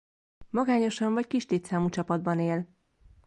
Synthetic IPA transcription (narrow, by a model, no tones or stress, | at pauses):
mɒɡaːɲo̞ʃɒɱvɒckiʃt̪eːt̪saːmut͡ʃɒpɒd̪bɒneːl